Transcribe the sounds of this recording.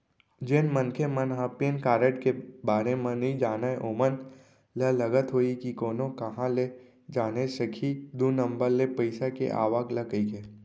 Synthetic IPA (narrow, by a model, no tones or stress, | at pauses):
d͡ʒenmənkʰemə̃nɦãːpeːnkaːɾeʈkebaːɾemẽnɦĩd͡ʒaːnaeʔoːmən | lələɡət̪ɦoːikikoːnõkɐɦãle | d͡ʒaːnesəkʰid̪uːnə̃mbəɾlepəɪsakḛʔa̰ːʋaːɡləɡəikeː